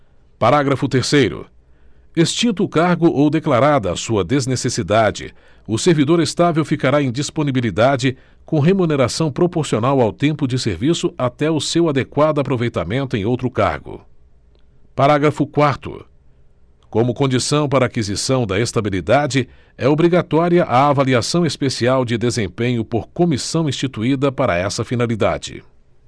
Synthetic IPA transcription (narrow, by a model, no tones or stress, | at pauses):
paɾaɡɾɐfʊt̪eɾsejɾʊ̰ | est͡ʃĩnt̪ʊːkaɾɡʊʔowd̪eklaɾad̪ɐa̰suɐd̪eznesesid̪ad͡ʒɪ̰ | ʊseɾvid̪oɾest̪avewfikaɾaẽj̃d͡ʒisponibilid̪ad͡ʒɪ | kõɦemuneɾasɐ̃w̃pɾopoɾsionawawt̪ẽmpʊd͡ʒɪseɾvisʊat̪ɛʊsewad̪ekwad̪ʊapɾovejt̪amẽnt̪ʊẽj̃owt̪ɾʊka̰ɾɡʊ̰ | paɾaɡɾɐfʊkwaɾt̪ʊ̰ | kõmʊkõnd͡ʒisɐ̃w̃paɾɐːkizisɐ̃w̃d̪ɐest̪abilid̪ad͡ʒɪ | ɛobɾiɡat̪ɔɾiɐʔaːvaliasɐ̃w̃espesiawd͡ʒɪd̪ezẽpẽɲʊpoɾkomisɐ̃w̃ĩst͡ʃit̪uid̪ɐpaɾɐ̰ɛsɐfinalid̪a̰d͡ʒɪ̰